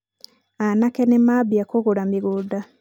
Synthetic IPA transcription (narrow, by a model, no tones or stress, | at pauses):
anakɛnemabiakoɣoɾamiɣuda